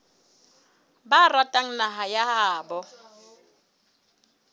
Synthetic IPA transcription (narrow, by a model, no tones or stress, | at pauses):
baratʼaŋ̩naɦajahaːbɔ